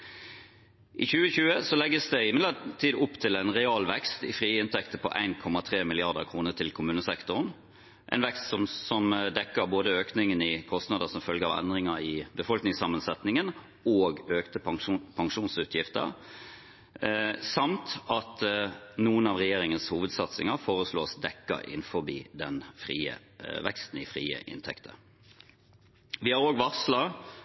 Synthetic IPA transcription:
ʔɪçʉːəçʉːəsɔlɛɡːəsd̪ɛɪmɪd̪ət̪ʰiːd̪ʊpːt̪ʰɪlæɪnʁɛɑːlʋɛkst̪ɪ̰fʁiːɪnt̪ʰɛkt̪əpʰɔ̰ʔæ̰ɪnkʰɔmːɑt̪ʰʁeːmɪlɪɑʁd̪ə̰ʁkʰʁuːnət̪ʰɪlkʰʊmʉːnəsɛkt̪ʊʁn | ʔæ̰ɪnʋɛkst̪sɔmsɔmd̪ɛkːəʁboːd̪əøːknɪŋənɪkʰɔst̪nɑːd̪əsɔmfœlɡəɑ̰ʋɛ̰nd̪ʁɪŋəɾɪbəfɔlknɪŋsɑmːənsɛt̪nɪŋən | oːɡøːkt̪əpʰɑŋʂuːnsʉːt̪ʰjɪft̪ə̰ɾ | sɑmt̪ɑt̪nuːənɑʋʁɛjeːʁɪŋənshuːʋəd̪sɑt̪sɪŋəfoːʁəsloːsd̪ɛkːə̰ɾɪ̰nfɔbiːd̪ɛnfʁḭːə̰ʋɛ̰kst̪n̩ɪfʁḭːə̰ʔɪ̰nt̪ʰɛ̰kt̪ʰə̰ | ʋɪhɑɾoːɡʋɑʁslɑ

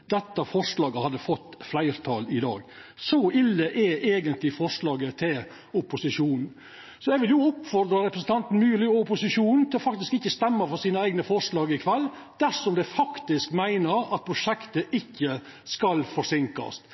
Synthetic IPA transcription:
d̪̥ɛt̪ːɑfɔʂlɑːɡəhɑd̪ːəfɔt̪ːflæɪɾt̪ʰɑːlɪd̪ɑ̰ːɡsɔɪlːəʔeʔeːɡənt̪lɪfɔʂlɑːɡət̪ʰɪl | ʊpʊsɪʂuːnn̩ | sɔɛɡʋɪljʊʊpfɔɾd̪ɾɑɾɛpɾəsn̩t̪ɑnt̪n̩myːəlɪʊpʊsɪʂuːnn̩t̪ʰɪlɔfɑk̚t̪ɪskɪçːəst̪ɛmːəfɔɾsiːnəæɪɡnəfɔʂlɑːɡɪkʰʋɛlː | d̪̥æɾʂɔmd̪ɛfɑkt̪ɪskmæɪnəɾɑt̪̚pʰɾʊʂɛkt̪əʔɪçːə | skɑlfɔʂɪŋkɑ̰st̪

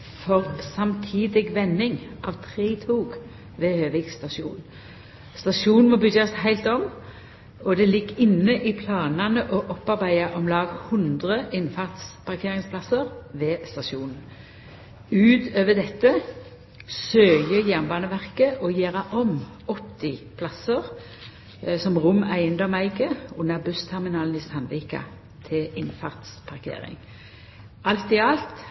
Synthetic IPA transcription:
fɔʁsɑmt̪ʰiːd̪ɪɡʋɛnːɪŋʔɑʋt̪ʰʁeːt̪ʰuːɡ | ʋɛːhøːʋɪɡst̪ɑʃṵːn | st̪ɑʃuːnnmɔbʏdɑshæɪlt̪ɔm | ɔd̪ɛlɪɡːɪnːəʔɪpʰlɑːnɑnəʔɔʔɔpːɑʁbæɪɑʔɔmlɑːɡhʉnd̪ʁəɪnfɑʁt̪spʰɑʁkʰeːʁɪŋspʰlɑsəʁʋɛːst̪ɑʃuːn̩ | ʉːt̪øːʋəd̪ɛt̪ːə | søːjəjæʁnbɑːnəʋæʁkəʔɔjeːʁɑʔɔmɔt̪ːɪpʰlɑsəʁ | sɔmʁʊmæɪənd̪ɔmæɪɡəʊnəbʉst̪ʰɛʁmɪnɑːln̩ɪsɑnʋiːkɑ̰ | t̪ʰɪlɪnfɑʁt̪spʰɑʁkʰḛːʁɪ̰ŋ | ɑlt̪ɪɑlt̪

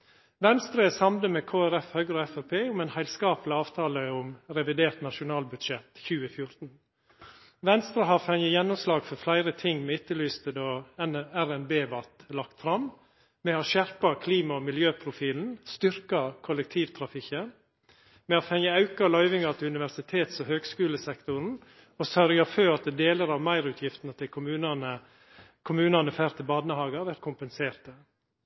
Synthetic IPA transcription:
ʋɛnst̪ɾəsɑmləmɛːkʰoːæɾɛfhœɡɾɔɛfæpʰeːʊmɛɪnhæɪlskɑːplɪɑːʋt̪ʰɑːləʊmɾɛʋɪd̪eːɾt̪nɑʂʊnɑːlbʉd̪ʃɛt̪çʉːəfjʊɾt̪n̩ | ʋɛnst̪ɾəɦɑːɾfɛŋəjɛnːʊmslɑːɡfɔɾflæɪɾət̪ʰɪŋːmɛɪt̪ːəlyːst̪əd̪ɔnæɾɛnbeːʋɑt̪lɑkt̪fɾɑm | mɛɑːʃæɾpɑkʰliːmɑɔmɪljøːpʰɾʊfiːln̩st̪ʏɾkɑkʰʊlɛk̚t̪ʰiːʋt̪ʰɾɑfɪkən | mɛhɑfɛŋːəɑʉkɑlɑʏʋɪŋɑt̪ʰɪʉnɪʋæɾsɪt̪ʰeːt̪sɔhøːɡskʉːləsɛkt̪ʊɾn̩ | ɔsœɾɡɑføːɾɑt̪̚d̪ɛd̪eːləɾɑʋmæɪɾʉːt̪ʰjɪft̪nət̪ʰɪlkʰʊmʉːnɑnə | kʰʊmʉːnɑnəfæːɾt̪ʰɪlbɑːd̪nəhɑːɡəɑʋæɾt̪̚kʰʊmpənseːɾt̪ə

